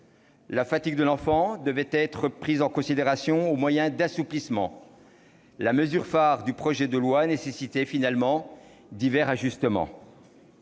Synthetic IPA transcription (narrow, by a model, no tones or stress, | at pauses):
lafat̪iɡ̚d̪əlɑ̃fɑ̃d̪əvɛt̪ɛt̪χəpχizɑ̃kɔ̃sid̪eʁasjɔ̃omwajɛ̃d̪asuplismɑ̰̃ | laməzyʁfaʁd̪ypχɔʒɛd̪əlwanesesit̪ɛfinalmɑ̃ | d̪ivɛʁaʒyst̪əmɑ̰̃